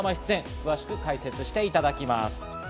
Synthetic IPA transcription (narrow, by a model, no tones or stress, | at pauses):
maçʲi̥t͡sɨẽ̞ŋkɯ̟βaɕi̥kɯ̟kaise̞t͡sɨɕi̥t̪e̞it̪ad̪akʲima̰sɨ̥